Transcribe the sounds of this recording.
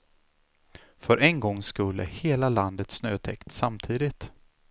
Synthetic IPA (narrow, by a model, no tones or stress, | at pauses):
fœɾʔɛnɡɔŋːskɵlːə̰heːlaland̪ət̪snøːt̪ʰɛkt̪samt̪ʰiːd̪ɪt̪